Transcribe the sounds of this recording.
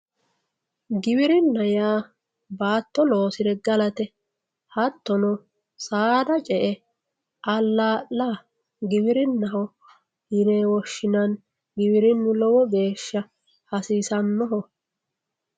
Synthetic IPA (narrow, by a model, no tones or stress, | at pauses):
ɡɪbɪɾɪnːɐjaː | baːt̪ːɔlo̞ːsɪd̪ɛɡɐlɐt̪ɛ | hɐt̪ːɔnɔ | saːd̪ɐt͡ʃʼɛʔɛ | ʔɐlːaːʔla | ɡɪbɪɾɪnːɐɦɔ | hɪneːwɔʃːɪnɐn | ɡɪbɪɾɪnːʊlɔwɔɡe̞ːʃːɐ | hɐsiːsɐnːɔɦɔ